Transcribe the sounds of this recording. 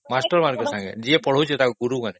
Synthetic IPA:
masʈəɾmaɾkosãŋɡḛd͡ʒiepəɽ̤ot͡ʃʰet̪akɡuɾukane

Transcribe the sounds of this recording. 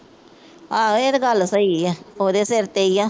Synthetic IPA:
aːeːɾɡəlːsəiːaoːd̪eːseɾt̪eijaː

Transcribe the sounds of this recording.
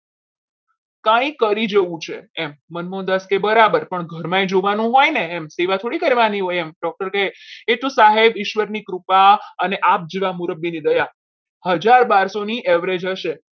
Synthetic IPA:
kãĩkəɾid͡ʒəʋũt͡ʃʰḛɛmːənmõd̪əskebəɾabəɾpəɳɡʱəɾmãed͡ʒoʋanũɦɔjneːmseʋat̪ʰoɽikəɾʋaniɦojɛmɖɔk̚ʈəɾkəɦeeʈ̪ũsaɦebɪʃʋəɾnikɾupaəneʔap̚d͡ʒiʋamuɾəbːinid̪əja | həd͡ʒaɾbaɾsoniʔɛʋɾed͡ʒɦəʃe

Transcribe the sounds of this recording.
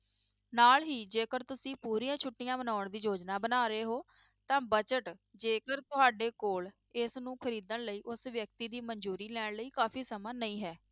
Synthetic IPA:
naːlɦiːd͡ʒeːkəɾt̪ʊsĩːpuːɾiːãːt͡ʃʰʊʈːijãːbənaːʊɳd̪iːd͡ʒoːd͡ʒnaːbənaːɾeːɦoː | t̪ãːbət͡ʃəʈd͡ʒeːkəɾt̪ʊɦaːɖeːkoːɭ | ɪsnũːkʰəɾiːd̪əɳləiːʔʊsʋjək̚t̪iːd̪iːməɲd͡ʒuːɾiːlɛːɳ̃ləiːkaːpʰiːsəmãːnəĩːɦɛː

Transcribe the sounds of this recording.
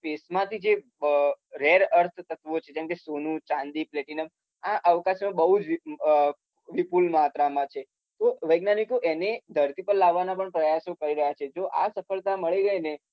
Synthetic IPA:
fesmãt̪ʰid͡ʒe | ɾeɾəɾt̪ʰt̪ət̪ʋot͡ʃʰed͡ʒɛ̃mkesonũt͡ʃãnd̪ipleʈinəm | aʔəʋkasmãbəɦud͡ʒ | ʋipulmət̪ɾamãt͡ʃʰe | t̪oʋəjɡnanikoʔened̪ʱəɾt̪ipəɾlaʋːanapəɳpɾəjasokəɾiɾəɦjat͡ʃʰed͡ʒoʔasəfəɭt̪aməɭiɡəine

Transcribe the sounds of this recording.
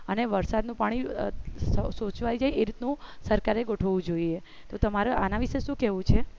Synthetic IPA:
əneʋəɾsad̪nũpaɽ̃i | sot͡ʃʋajd͡ʒajeɾit̪nũsəɾkaɾeɡoʈʰoʋũd͡ʒoie | t̪ot̪əmaɾea̰naʋiʃeʃũkɛʋũt͡ʃʰe

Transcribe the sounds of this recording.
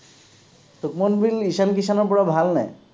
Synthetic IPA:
tukmonbiliʃankiʃanɔpɔɾabʱalnaj

